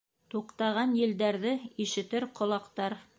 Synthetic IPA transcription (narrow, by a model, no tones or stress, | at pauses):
t̪uqt̪ɑʁɑnjɘ̆ld̪æɾðɘiʃɘ̆t̪ɘɾqŏlˠɑqt̪ɑɾ